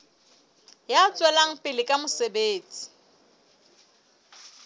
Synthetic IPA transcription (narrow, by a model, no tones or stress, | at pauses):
jat͡sʼwɛlaŋ̩pʼɪlɪkʼamʊsebeːt͡sʼi̥